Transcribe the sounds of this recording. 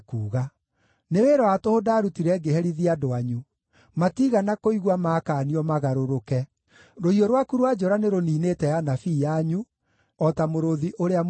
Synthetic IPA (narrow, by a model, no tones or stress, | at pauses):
kuːɣa | neweɾɔatohodaːɾutiɾɛɡehɛɾiðiadoaɲu | matiɣanakoiɣwamakaːniɔmaɣaɾoɾokɛ | ɾohiɔɾwakuɾwad͡ʒɔɾaneɾoniːnetɛjanafiːjaɲu | ɔtamoɾoðiʔoɾeam